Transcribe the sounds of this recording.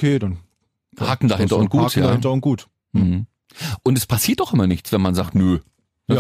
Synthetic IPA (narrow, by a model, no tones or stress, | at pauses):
kʰeːdan | haːkŋ̩dahɦɪntɐʊntɡ̥uːtsjaːɪnntɐʊnt̚ɡ̥uːt̩ | hm̩ | ʔʊntɛspʰasiːɐtd̥ɔχʔɪmɐnɪçt͡sv̥ɛnmanzaːktnø | nə